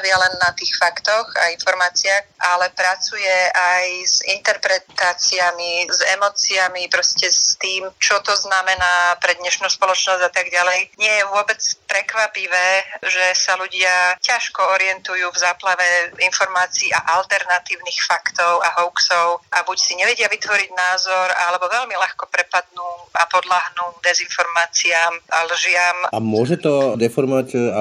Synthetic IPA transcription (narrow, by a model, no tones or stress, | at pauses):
ʋɪalɛnːat̪iːxfakt̪ɔxa̰infɔɾmaːt͡siaxʔalɛpɾat͡sujɛajz̥ḭnt̪ɛɾpɾɛt̪aːt͡siamizɛmɔt͡siamipɾɔscɛst̪iːmt͡ʃɔt̪ɔznamɛnaːpɾɛd̪ɲɛʃnuːspɔlɔt͡ʃnɔzɟat̪aɡɟalɛjɲɪɛjɛʋʊɔbɛt͡spɾɛkʋapiʋɛːʒɛsaluɟɪacaʃkɔɔɾɪɛnt̪ujuːvzaːplaʋɛinfɔɾmaːt͡siːʔa̰ʔalt̪ɛɾnat̪iːʊnixfakt̪ɔʊaɦɔʊksɔʊʔabucsiɲɛʋɛɟɪaʋit̪ʋɔɾiɟnaːzɔɾalɛbɔʋɛlmilaxkɔpɾɛpad̪nuːapɔd̪laɦnuːd̪ɛzinfɔɾmaːt͡siaːmalʒɪamamʊɔʒɛt̪ɔd̪ɛfɔɾmɔʋaca